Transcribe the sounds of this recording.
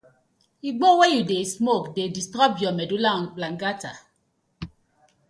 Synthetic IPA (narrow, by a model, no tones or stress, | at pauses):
iɡ͡bɔwejudesmokdedistɾabjɔmɛdulablaŋɡata